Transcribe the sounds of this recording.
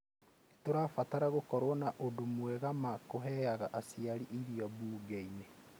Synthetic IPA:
toɾaːfataɾaɣokɔɾwɔnaʔodomwɛɣamakoɦɛaɣaʔasiaɾiʔiɾiɔbuːɡeine

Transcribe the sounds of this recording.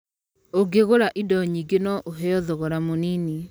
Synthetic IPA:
oɡeɣoɾaʔidɔɲiɡenɔʔoɦɛɔðɔɣoɾamonini

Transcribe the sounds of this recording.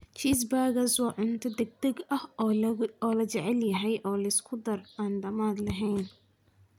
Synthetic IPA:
t͡ʃiːs̬baːɣɐswɑːʕʊnt̪ʰɔd̪ɛɡ̚d̪ɐɡɐh | ɔːlɐt͡ʃɛʕɛljɐɦɛjʔɔːlɐɪskʰʊd̪ɐraːnɖɐmaːd̪lɐɦɛjn

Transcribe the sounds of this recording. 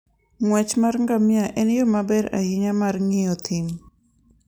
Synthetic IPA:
ŋwɛt͡ʃmarŋɡamɪaʔɛnjomabɛɾa̰hiɲamarŋɪjɔt̪ʰim

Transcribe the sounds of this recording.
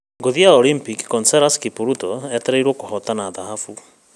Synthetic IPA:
ɡoðiaɔlimpikkɔnsɛɾaskipuɾutɔɛt̪ɛɾɛiɾwɔkohɔt̪anaːðaɦafu

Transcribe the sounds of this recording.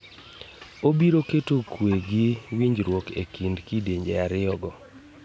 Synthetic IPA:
obiɾoketokweɡɪwiɲd͡ʒɾwɔkḛkindkideɲd͡ʒeaɾɪɔɡɔ

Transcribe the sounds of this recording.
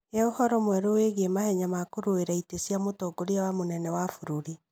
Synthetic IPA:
jaohɔɾɔmwɛɾoweɣemahɛɲamakoɾoeɾaitesiamotoɡoɾiawamonɛnɛwafuɾuɾi

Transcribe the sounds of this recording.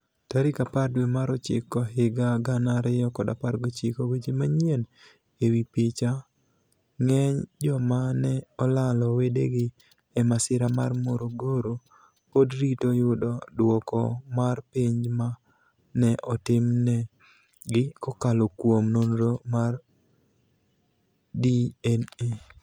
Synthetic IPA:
taɾɪkapadwemaɾɔt͡ʃɪ̰kːɔɦɪɡaɡanaɾɪjɔkɔdapaɾɡot͡ʃɪkowed͡ʒemaɲen | ewipit͡ʃa | ŋɛɲd͡ʒɔmanɛɔlalɔwedḛɡɪ | ɛmasɪɾamarmoɾoɡoɾo | podɾitojʊdɔdwɔkɔmarpiɲd͡ʒma | nɛʔɔtɪmnɛ | ɡɪkɔkalokwomnonɾomar | diɛne

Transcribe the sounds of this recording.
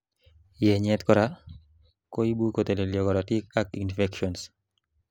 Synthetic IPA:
jɛɲɛt̪kɔɾa | koibukot̪eleljɔɡɔɾatikakinfɛkʃɔns

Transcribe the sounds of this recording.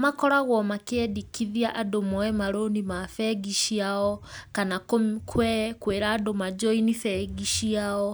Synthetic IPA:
makɔɾaɣwɔmakeɛdikiðiaʔadomɔɛmaɾonimafɛɡiʃiaɔkanakkʰwɛkweɾaːdomad͡ʒɔinifɛɡiʃiaɔ

